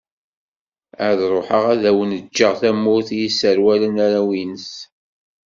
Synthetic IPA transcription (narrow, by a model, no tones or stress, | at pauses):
əðɾˤoħəʁæðæwənəd͡ʒːəʁθæmːʊɾθjisːəɾwælənæɾæwinəs